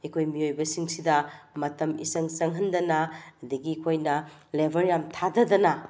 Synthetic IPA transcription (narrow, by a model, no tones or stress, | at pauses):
ekʰojmiojbɐsiŋsidɐmɐtɐmḭsɐŋsɐŋɦɐndɐnɐːdɐɡikʰojnɐlebʱɐɾjamtʰadɐdɐnɐ